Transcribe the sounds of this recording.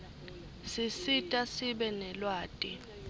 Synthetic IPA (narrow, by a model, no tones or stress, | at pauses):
sisitʼasiɓɛnɛlwaːtʼi